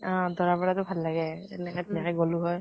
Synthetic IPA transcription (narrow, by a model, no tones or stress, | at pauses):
ɔ̃dɔɹapɔɹatʊbʱalːaɡɛ | ɛnɛkɛtinakɛɡoluɦɔj